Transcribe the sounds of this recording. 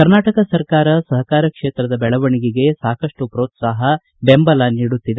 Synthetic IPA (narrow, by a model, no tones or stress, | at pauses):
kɐɾnaːʈɐkɐsɐɾkaːɾɐsɐɦɐkaːɾɐkʂeːt̪ɾɐd̪ɐbɛɭɐʋɐɳiɡiɡe̞saːkɐʂʈupɾoːt̪saːɦɐ | bembɐlɐniːɽut̪ːid̪e